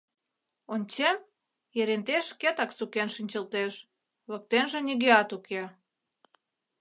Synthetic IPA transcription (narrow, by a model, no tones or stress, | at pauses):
onʲt͡ɕem | jeɾent̪eʃket̪ɑksukenʃinʲt͡ɕə̆lt̪eʃ | βɤ̆k̚t̪enʒĕnʲiɣeɑt̪uke